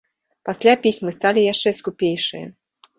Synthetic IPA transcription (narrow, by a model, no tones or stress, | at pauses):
pasʲlʲapʲisʲmɨst̪alʲijaʂt͡ʂɛskupʲejʂɨ̰jɐ̰